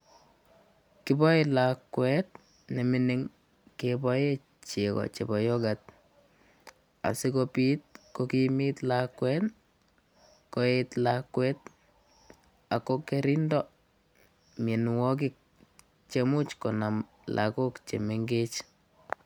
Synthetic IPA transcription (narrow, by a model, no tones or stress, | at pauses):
kibɔilakwɛt̚ | nemɪniŋ | kebɔje | t͡ʃekɔ̰t͡ʃebɔjɔɡat̚ | a̰sikopit̚kokimitlakwɛt | koetlakwɛt̚ | akokeɾindɔ | menwɔk̬ɪk̚ | t͡ʃemut͡ʃkonam | lʔa̰kokt͡ʃḛmeŋɡet͡ʃ